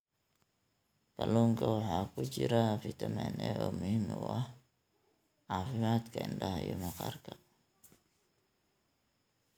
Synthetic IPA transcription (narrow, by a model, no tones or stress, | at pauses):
kaloŋkahakut͡ʃiɾafit̪ameneomimewah | afimat̪kandahajumakarka